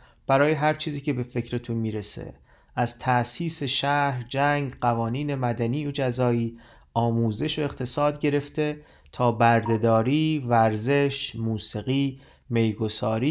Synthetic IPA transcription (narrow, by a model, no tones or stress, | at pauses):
b̥æɾɒːjeɦæɾt͡ʃʰiːziːcʰe̞be̞fe̞cɾet̪ʰunmiːɾe̞sḛ | ʔæzt̪ʰæʔsiːseʃæhɾd͡ʒæŋɡɢævɒːniːne̞mæd̪æniːod͡ʒæzɒːiː | ɒːmuːze̞ʃoe̞xt̪ʰe̞sɒːd̪ɟe̞ɾe̞ft̪ʰe̞ | t̪ʰɒːbæɾd̪e̞d̪ɒːɾiːvæɾze̞ʃmuːsiɣiː | me̞jɡo̞sɒːɾiː